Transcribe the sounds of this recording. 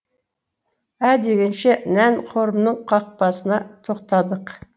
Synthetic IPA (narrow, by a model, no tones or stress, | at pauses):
æd̪e̞ɡʲenʃenænqʰo̞ɾəmnəɴqʰɑq̚pɑsənɑt̪ʰo̞qt̪ɑd̪əq